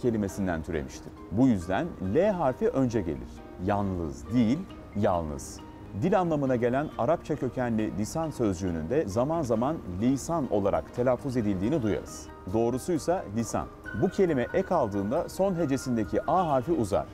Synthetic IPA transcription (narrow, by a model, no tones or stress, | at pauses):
cʰe̞lʲime̞sind̪æ̰nt̪ʰyɾḛmiʃt̪ʰi̥ | bujyzd̪ænlʲɛɦaːfiʔø̞nd͡ʒɛɟe̞̰lʲḭɾ̥ | jalˠnˠɯ̰zd̪ijilʲ | ja̰lˠnɯ̰z̥ | d̪ilʲanlˠamɯnaɟe̞lʲænaɾap̚t͡ʃʰacʰø̞cʰænlʲilʲisansø̞zd͡ʒyːny̰nd̪ɛzamanzamanlʲisano̞̰lˠaɾa̰kt̪ʰe̞lʲaːfːuze̞d̪ilʲd̪iːnid̪uja̰ɾɯ̰z̥ | d̪o̞ːɾusujsalʲisa̰nbucʰe̞lʲimɛʔɛkʰalˠd̪ɯːnd̪aso̞nɦe̞d͡ʒe̞sind̪ecʰiʔaːɦaːfiuza̰ɾ̥